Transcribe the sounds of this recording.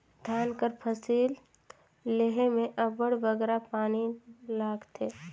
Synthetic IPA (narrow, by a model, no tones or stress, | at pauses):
d̪̥ʱaːnkəɾpʰəsiːlː | eɦemẽʔɐbəɽʋəɡɛːɾapaːnilaːɡt̪ʰeː